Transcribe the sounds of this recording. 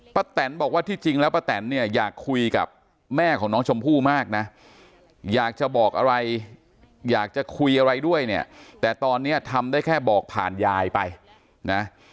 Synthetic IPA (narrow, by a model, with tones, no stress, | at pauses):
pa˧˩t̪ɛ˩˦nbɔː˨˩k̚waː˥˩t̪ʰiː˥˩t͡ɕi˧ŋlɛː˦˥wpa˧˥t̪ɛ˩˦nːi˥˩ɐjaː˨˩kʰːu˧jka̰˨˩p̚ | mɛː˥˩kʰɔː˩˦ŋnɔː˦˥ŋt͡ɕʰo˧mpʰuː˥˩maː˥˩k̚na˦˥ | jaː˨˩k̚t͡ɕa˨˩bɔː˨˩k̚ʔa˧ɾa˧j | jaː˨˩k̚t͡ɕa˨˩kʰu˧jʔa˧ɾa˧jdu˥˩əjni˥˩ɐt̪ɛː˨˩t̪ɔː˧nːi˦˥ɐ˩t̪ʰa˧mdaː˥˩jkʰɛː˥˩bɔː˨˩k̚pʰa̰ː˨˩njaː˧jpa˧j | na˦˥